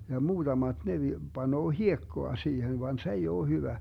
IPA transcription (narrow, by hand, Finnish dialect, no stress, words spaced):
jɑ muːd̥ɑmɑd̥ ne ʋi b̥ɑnoː hiekːoɑ siːhen ʋɑn s ei oː hyʋæ